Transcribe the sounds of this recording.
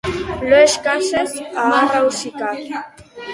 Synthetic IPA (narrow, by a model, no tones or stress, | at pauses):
loeʃkasesaarawsikaɾ